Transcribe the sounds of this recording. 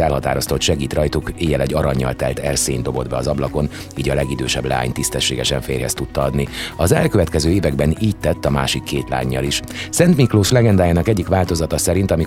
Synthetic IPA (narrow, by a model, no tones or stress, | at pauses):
ɛlɦɒt̪a̰ːɾo̞st̪ot̪ʃɛɡiːt̪rɒjt̪ukeːjɛlɛɟːɒɾɒɲːɒ̰lt̪ɛlt̪ɛrseːnd̪obo̞d̪bɛɒzɒblɒko̞n | iːɟɒlɛɡid̪øːʃɛblɛ̰a̰ːɲt̪ist̪ɛʃːeːɡɛʃɛɱfeːrhɛst̪ut̪ːɒɒd̪niɒzɛ̰lkøvɛt̪kɛzøːeːvɛɡbɛniːc̚t̪ɛt̪ːɒma̰ːʃikːeːt̪la̰ːɲːɒ̰liʃsɛnt̪mikloːʃlɛɡɛnd̪aːjaːnɒkɛɟːikʋaːlt̪o̞zɒt̪ɒsɛɾint̪ɒmi